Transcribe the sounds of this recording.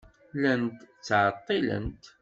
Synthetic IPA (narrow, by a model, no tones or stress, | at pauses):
lənt̪t͡sːʕət̪ˤːilə̰nt̪